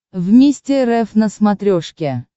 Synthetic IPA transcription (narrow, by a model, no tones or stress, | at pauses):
vmʲesʲtʲɪɾɛfnəsmɐt̪ɾʲoʂkʲe